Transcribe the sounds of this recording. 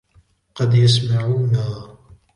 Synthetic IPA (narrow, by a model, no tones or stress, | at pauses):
qɑd̪jas̬maʕuːnaː